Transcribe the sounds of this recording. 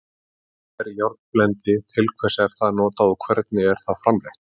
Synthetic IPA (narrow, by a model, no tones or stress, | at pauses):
ɛɾjawɾt̪plɛnt̪ɪt̪ʰɪlkʰvɛsaɛɾ̥θaðnɔːt̪aɔkʰvɛɾt̪nɪɛɾ̥θaðfɾamɾɛht̪